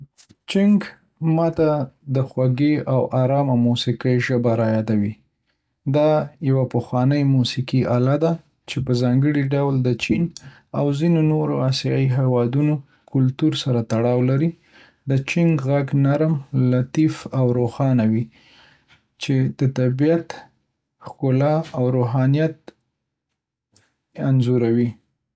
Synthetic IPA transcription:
t͡ʃɪŋɡ | mɑt̪ad̪əxwaɡeʔawʔaɾɑmamusikəjʒəbaɾajɑd̪awi | d̪ɑjawapəxwɑnəjmusikiʔalad̪a | t͡ʃepəzɑŋɡəɽiɖawld̪ət͡ʃin | awzinonoɾoasjɑiɦewɑd̪uno | kʊlt̪uɾsaɾat̪aɽɑwlaɾi | d̪ət͡ʃiŋɡɣaɡnaɾmlat̪ifawɾoxɑnawi | t͡ʃed̪̥ət̪abijat̪ | xkʊlɑawɾoɦɑnijat̪̚ | anzuɾawi

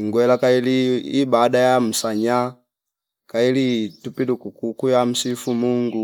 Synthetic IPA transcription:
iŋɡwɛlakailiːbadajam̩saɲa | kailitupilukukukujam̩sifumuŋɡu

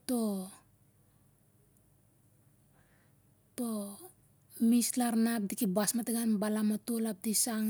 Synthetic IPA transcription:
to | to | mislaɾnap̚dikibasmateɡanbalamatolap̚disaŋ

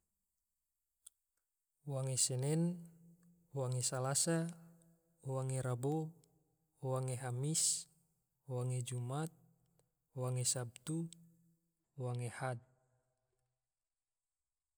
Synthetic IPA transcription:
waŋesɛnɛn | waŋesalasa | waŋeɾabo | waŋeɦamis | waŋed͡ʒumat̪̚ | waŋesab̚t̪u | waŋehad̪̚

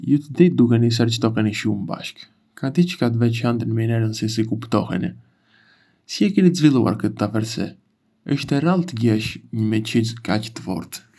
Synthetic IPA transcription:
jut̪əd̪it̪̚d̪ukɛnis̬ɛɾt͡ʃt̪ɔkɛniʃuməba̰ʃk | kat̪it͡ʃə̥kat̪vɛt͡ʃand̪ənəminɛɾənsis̬ikupt̪ɔhɛ̰nɛ̰ | siɛkɛnit̪əzvilˠua̰ɾkət̪ːafɛɾsɛ̰ | əʃt̪ɛɾalˠt̪əɟɛʃɲəmɛcizkact̪əfɔ̰ɾt̪

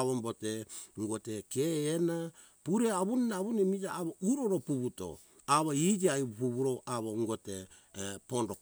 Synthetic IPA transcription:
βomboteŋɡotekeːna | puɾeaβuninaβunimid͡ʒaːβouɾoɾopuβuto̰ | aβoid͡ʒiaiβpuβuɾoaβoŋɡote | pondo

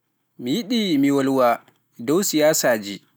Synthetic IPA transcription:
mijiɗiːmiwɐlwaː | dowsɪjaːsaːd͡ʒi

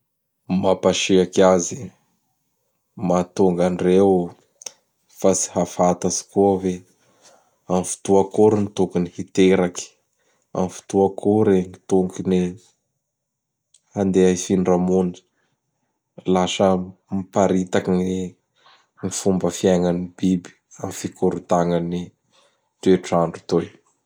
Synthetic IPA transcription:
mapaʃiakazi | mat̪uŋɡanrew | fasi̥hafat̪azi̥kuəve | amfu̥t̪uakuɾinit̪ukunihit̪eɾaki̥ | a̰mfi̥t̪uakʰuɾeŋit̪uŋɡini | and̪eaifinɖ͡ʐamuni̥ | lasəmipaɾit̪akini | ŋifumbəfiaŋanibibi̥ | amifikuɾut̪aŋani | t̪ueʈ͡ʂaɳɖ͡ʐut̪oj

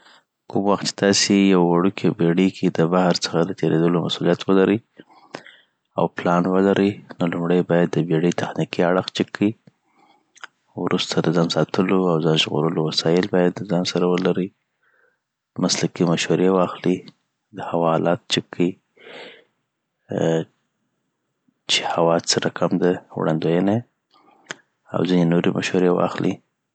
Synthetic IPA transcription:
kumwaxt̪t͡ʃe̥t̪ɑsejawwaɽukʰebeɽəkʰed̪əbahaɾt͡sə̥xad̪ət̪ʰeɾed̪əlomasulijat̪wəlaɾəj | a̰wplɑnwəlaɾəjnolumɽəjbɑjad̪̚ːəbeɽət̪axnikiaɽəxt͡ʃɪkʰːəi | wɾust̪ʰad̪əzɑnsɑt̪ʰəloawzɑnʒɣo̰ɾəlowasɑjɪlbɑjad̪ːəzɑnsaɾawəlaɾəj | maslakimaʃwaɾewɑxli | d̪əhawɑlɑt̪̚t͡ʃɪkʰːəi | t͡ʃehawɑsəɾakʰamd̪awɽʔa̰nd̪ojəna | a̰wzinenoɾemʔa̰ʃhaɾewɑ̰xlḭ

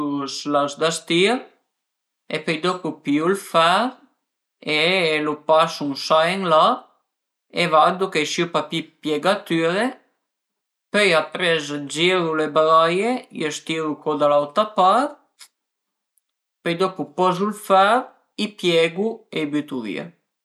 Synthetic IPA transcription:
slazd̪ast̪iɾ | epøjd̪ɔpupiulfaɾ | elupasuŋsaeŋla | evad̪ukesipapipjeɡat̪yɾe | pøjapɾezd͡ʒiɾulebɾajejəst̪iɾukod̪alawt̪ɾapaɾt̪ | pɛjd̪ɔpupɔzulfaɾ | ipjɛɡuebyt̪uvḭə̰

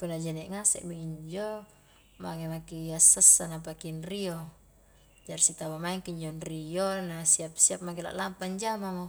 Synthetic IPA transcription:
punad͡ʒɛnɛʔŋasɛ̰ʔmiiɲd͡ʒo | maŋemakiasːəsːanap̬akinrio | d͡ʒaɾisit̪abamaɛŋkiɲd͡ʒonɾijonasiap̚siap̚makila̰ʔlampaɲd͡ʒamamo

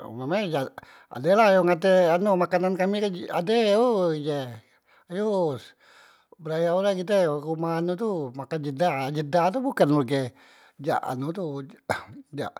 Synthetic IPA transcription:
mamad͡ʒa | a̰delajoŋat̪̬eanomakanankamikaa̰deoid͡ʒe | ajo | bəɾajaulakit̪̬əkumaanut̪umakand͡ʒədad͡ʒədat̪̬ubukanulɡe | d͡ʒa̰ʔa̰nut̪u | d͡ʒa̰ʔ

